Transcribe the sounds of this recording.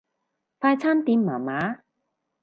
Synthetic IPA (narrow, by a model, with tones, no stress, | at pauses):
faː˧jt͡sʰaː˥nt̪iː˧mmaː˨˩maː˨˥˦